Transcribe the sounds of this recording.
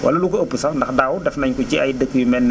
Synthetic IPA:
wɐ̰lɐlukɐəpːəsɐndɐxdaːwudɛfnɐɲkuciɐjdəkːjumɛnː

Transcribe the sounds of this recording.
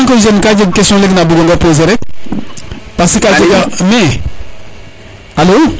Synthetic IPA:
ŋkɔzɛnĩkad͡ʒekɛsijɔ̃leɡinaboɡɔ̃ŋɡɛpozɛɾɛ | pasikad͡ʒekamɛ̃ | halo

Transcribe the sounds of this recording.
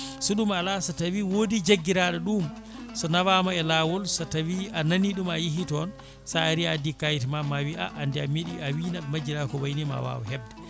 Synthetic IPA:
suɗumalasatawiwodid͡ʒeɡːiɾaɗɔɗum | sɔnawamaɛlawɔlsɔtawiananiɗumajiɦitɔn | saaɾiadikajtɛmamawiʔa̰ʔandɛamiɗiawiːnaɗmad͡ʒiɾakɔwajnima̰wa̰wɔ̰ɦɛbdɛ

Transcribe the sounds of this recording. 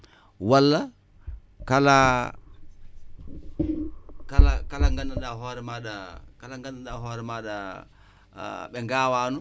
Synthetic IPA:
walːa | kala | kalakalaŋɡanːaɗaɦɔːɾɛmaɗakalaŋɡanːaɗaɦɔːɾɛmaːɗa̰ | ɓɛŋɡaːwaːnu

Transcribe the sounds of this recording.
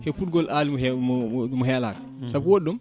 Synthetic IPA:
hɛfutɡɔlʔaːlimɔhɛmɔɦɛːla̰ːkḁ | sabwoɗːum

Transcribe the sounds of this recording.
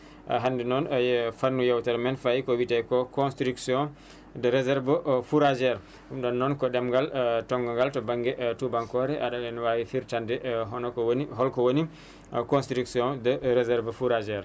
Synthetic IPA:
ʔa̰ɦandɛnɔnjfanːujawtɛɾmɛnfajikɔwitɛjkɔkɔnstɾiksiɔ̃ | dəɾɛzɛɾvəfuɾad͡ʒɛɾ | umɗɔnːɔnkɔɗɛmɡaltɔŋɡɔŋɡaltɔbaŋɡɛʔtubaŋkɔɾɛʔaɗalɛnwawifiɾtandɛɦɔnɔkɔɦɔlkɔwoni | kɔnstɾiksiɔ̃ndəɾɛzɛɾvəfuɾad͡ʒɛɾ

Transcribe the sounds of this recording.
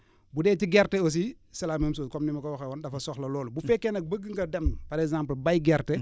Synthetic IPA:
budɛːtiɡɛrtɛos̬isɐlaːmems̬uːkɔmnimɐkɔwɐxɛwɐndɐfɐsɔxlɐlɔːlubufɛkːɛnɐk̚bəɡːəŋɡɐdɛmpɐɾɛkzãːmplbɐjɡɛɾtɛ

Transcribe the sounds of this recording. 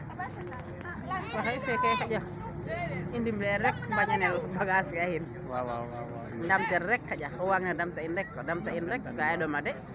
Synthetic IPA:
waɦaisɛkɛkad͡ʒa | indimdɛɾɛk̚baɲanɛlbaɡaskaahin | damt̪ɛɾɾɛkːad͡ʒaɔwaŋnadamtaindɛkːɔdamtainɾɛkɡaɛdɔmadɛ

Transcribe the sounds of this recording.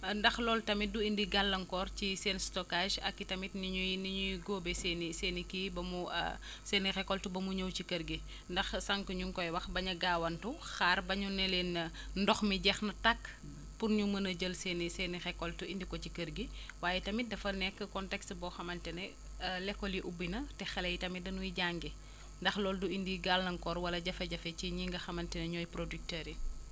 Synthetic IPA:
ndɐxlɔːltɐmiduindiɡalːɐŋkɔːrcisɛːnstɔkaʒɐ̰kːitɐmitniɲuniɲujiɡoːbɛseːniseːnikiːbɐmṵ | seːnixɛkːɔltubɐmuɲəwcikəɾɡi | ndɐxsɐŋkəɲuŋkɔjwɐxbɐɲɐɡaːwɐntu | xaːrbɐɲunɛlenɐ | ndɔxmiɟɛxnɐtɐkː | purɲumɐnɐɟəlsɛnisɛnixɛkɔltuindikɔcikəɾɡiwaːjɛtɐmidɐfɐnɛkːəkɔntɛkstbɔːxɐmɐntɛnɛ | lɛkːɔliʔubinɐtɛxɛlɛjtɐmidɐnujiɟaŋɡi | ndɐxlɔːlduindiɡalnɐŋkɔɾwɐlɐɟɐfɐɟɐfɛciɲiŋɡɐxɐmɐntɛnɛɲɔːjpɾodyk̚tɛːɾi

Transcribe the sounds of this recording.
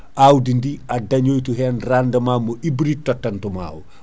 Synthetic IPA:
ʔawdindiɐdɐɲoːjtuɦɛːnrandɐmaːmɔʔibɾitːɔtːɐntuma̰ːw

